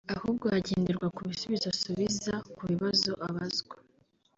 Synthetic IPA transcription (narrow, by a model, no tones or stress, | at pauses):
ahuːbɡohaɟeːndeɾɡwakuβisuβizasuβizakuβiβazo̞ʔaβazɡwa